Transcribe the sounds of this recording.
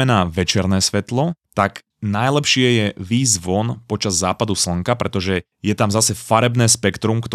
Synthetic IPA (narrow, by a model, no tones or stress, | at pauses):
ɛnaːʋɛt͡ʃɛɾnɛːsʋɛt̪lɔt̪aɡ | najlɛpʃɪɛjɛʋiːzʋɔnpɔt͡ʃazːaːpad̪usl̩ŋkapɾʔɛt̪ɔʒɛ | jɛt̪amzasɛfaɾɛbnɛːspɛkt̪ɾumkt̪